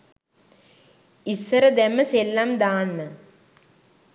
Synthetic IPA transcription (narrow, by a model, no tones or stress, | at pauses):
isːɐɾɐd̪emɐselːamd̪aːɳːɨ